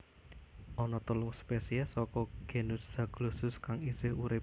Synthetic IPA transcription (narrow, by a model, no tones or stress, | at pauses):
ɔnɔt̪əlʊŋspesiɛsɔkɔɡ̥e̤nʊsz̥a̤ɡ̥lusʊskaŋisɪhuɾɪ